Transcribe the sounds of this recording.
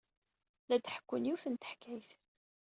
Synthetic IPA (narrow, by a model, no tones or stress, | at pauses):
læd̪ħə̥kːʊnjuθənt̪ə̥ħkʰːæjθ